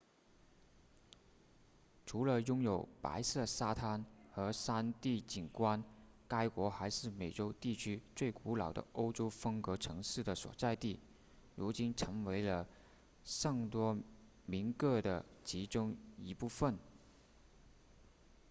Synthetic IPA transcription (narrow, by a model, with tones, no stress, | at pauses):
ʈ͡ʂʰu˧˥lə˧jʊ˥ŋjo˨˩ʊpa̰˧˥ɪsɤ˥˩sa˥t̪ʰa˥nxɤ˧˥sa˥nt̪i˥˩t͡ɕi˨˩nkwa˥n | ka˥ɪkwɔ˧˥xa˧˥ɪʂɻ̩˥˩me˨˩ɪʈ͡ʂo˥ʊt̪i˥˩t͡ɕʰy˥t͡swe˥˩ɪku˧˥lɑ˨˩ʊd̪ə̰˧˦ʔo˥ʊʈ͡ʂo˥ʊfɤ˥ŋkɤ˧˥ʈ͡ʂʰɤ˧˥ŋʂɻ̩˥˩d̪ə˩swɔ̰˨˩t͡sa˥˧ɪt̪i˥˩ | ɻu˧˥t͡ɕi˥nʈ͡ʂʰɤ˧˥ŋwe˧˥ɪlə˧ | ʂɤ˥˩ŋt̪wɔ˥ | mi˧˥nkɤ˥˩d̪ə˩t͡ɕi˧˥ʈ͡ʂʊ˥ŋi˧˥pu˥˧fə˥˩n